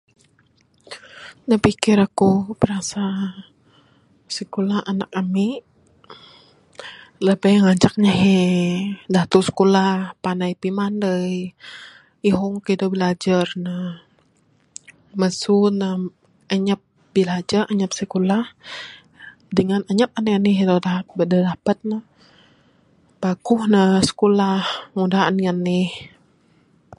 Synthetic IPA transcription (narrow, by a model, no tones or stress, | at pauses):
nahpikɪɾakubəɾasa | səkulahana̰kamiʔ | ləbajŋaɲt͡ʃak̚ɲaɦe | dat̪usə̥kulapanajpimandəj | iɦɔŋkədəbilad͡ʒarna | məsunə | əɲəp̚ | bilad͡ʒarʔəɲəp̚səkulah | dəŋanaɲəp̚aniəniɦd̪odadədapət̪̚nə | pakuhnəsə̥kulahŋudaaniənɪh